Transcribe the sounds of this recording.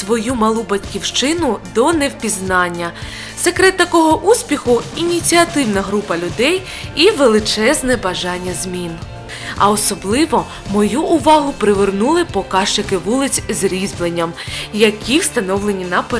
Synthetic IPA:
ʋɔjumɐlˠubɐtʲkʲiwʃt͡ʃɪnʊd̪ɔnɛwpʲiznɑnʲːɐ | sekɾɛt̪ːɐkɔɦɔʔusʲpʲixʊinʲit͡sʲiɐt̪ɪwnɐɦɾupɐlʲʊd̪ɛj | iʋelˠɪt͡ʃɛznɛbɐʒɑnʲːɐzmʲin | ɐ̰ɔsɔblˠɪʋɔ | mɔjuʔʊʋɑɦʊpɾɪʋernulˠɪpɔkɑʃt͡ʃɪkɪʋulˠɪt͡sʲzɾʲizblˠenʲːɐmjɐkʲiwst̪ɐnɔwlˠenʲinɐpe

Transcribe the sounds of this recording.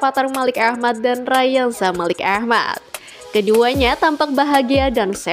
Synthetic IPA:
pat̪armalɪkahmat̪̚danrajansamalɪkahma̰t̪̚ | kəduaɲat̪ampak̚baɦaɡiadansɛ

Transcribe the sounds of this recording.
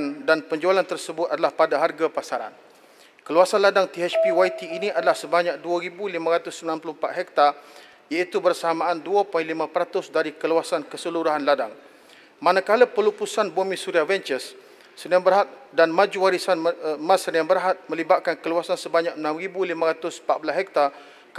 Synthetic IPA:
ndanpəɲd͡ʒualant̪ərsəbʊt̪̚adalahpadaɦarɡapasaɾa̰n | kəluasanladaŋt̪iɛt͡ʃpiwait̪iːnĩadalahsəbaɲak̚duaɾibulimãɾat̪ʊsːəminlanpulʊhmpat̪ɦɛk̚t̪a | jait̪ubərsaamãʔːnduapɔjnlimãpəɾat̪ʊsdaɾikəluasankəsəluɾuɦanladaŋ | manãkalapəlupusanbumĩsuɾiavɛnt͡ʃəsː | əniãmbərɦat̪̚danmãd͡ʒuwaɾisanmãsəniãnbərɦat̪̚mə̃libat̪̚kankəluasansəbaɲak̚ənãmribulimãɾat̪ʊsmpat̪̚bulasɦɛk̚t̪a | k

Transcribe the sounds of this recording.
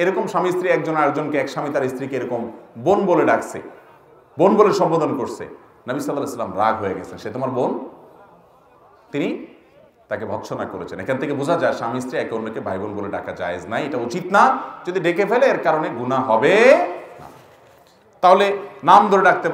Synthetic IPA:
eɾɔkomʃamist̪ɾiɛk̚d͡ʑonakd͡ʑonkeɛkʃamit̪aɾist̪ɾikeeɾɔkombonboleɖakʰsʰḛ | bonboleɾʃɔmpod̪onkoɾsʰḛ | nʌbisɔlːalɛesalːamɾaɡʱɦoeɡɛt͡ɕʰenʃet̪omaɾbon | t̪ini | t̪akebʱɔkʃʰonakoɾet͡ɕʰenḛkʰant̪ʰekebud͡ʑʱad͡ʑaeʃamist̪ɾiɛkonːokebʱajbonboleɖa̰kʰad͡ʑa̰ed͡ʑnajeʈaut͡ɕit̪nad͡ʑod̪iɖekefʰeleeɾkaɾoneɡunaɦɔbena̰ | t̪aɦolenamd̪ʱoɾeɖak̚ʰt̪e

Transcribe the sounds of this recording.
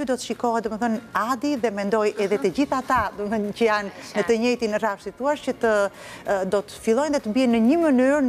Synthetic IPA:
ud̪ɔt̪əʃikɔhɛt̪̚d̪uməθənad̪iðɛmɛnd̪ɔjɛðɛt̪əd͡ʑiθat̪ad̪uəcəjanːət̪əɲɛjt̪inrafsit̪uaʃcət̪ə | d̪ɔt̪ə̥filˠɔjnðɛt̪əbiɛnːəɲəmənyɾ

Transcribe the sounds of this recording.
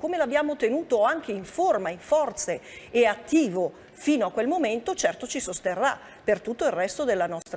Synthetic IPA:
koːmelabːjaːmot̪enuːt̪oaŋk̟eiɱformaiɱfɔrt̪seːat̪ːiːvo | fiːnoakːwelmoment̪ot͡ʃɛrt̪ot͡ʃisost̪erːa̰ | pert̪ut̪ːoilrɛst̪od̪elːanɔst̪ɾ

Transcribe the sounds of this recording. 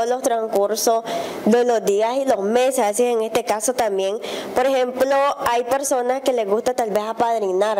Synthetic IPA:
lo̞st̪ɾaŋkuɾsos | d̪elozd̪iasilo̞zmesesseeŋest̪ekasot̪ambjenpoɾexẽmploajpeɾso̞naskele̞ɣust̪at̪albe̞sapaðɾinaɾ

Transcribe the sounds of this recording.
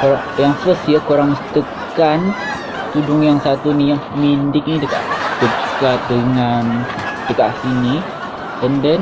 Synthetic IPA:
koɾaŋjaŋsəsjəkuɾaŋst̪ə | kan | t̪udʊŋjaŋsat̪unijaŋəmindɪk̚nidəka̰ʔdəkat̪̚dəŋand̥əkaʔsini | kəndən

